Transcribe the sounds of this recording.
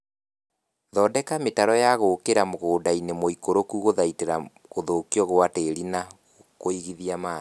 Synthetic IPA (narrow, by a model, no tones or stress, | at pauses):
ðɔdɛkametaɾɔjaɣokeɾamoɣoːdainemoikoɾokuɣoðaiteɾa | ɣoðokiɔɣoateɾina | koiɣiðiama